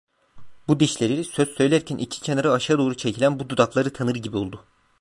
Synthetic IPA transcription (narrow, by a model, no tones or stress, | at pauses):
bud̪iʃlʲeɾisøz̥sø̞jlʲæɾcʰænʔicʰi̥cʰenaɾaaʃad̪o̞ːɾut͡ʃʰe̞cʰilʲænbud̪ud̪ak̪lˠaɾɯt̪ʰanɯɾɟibio̞lˠd̪u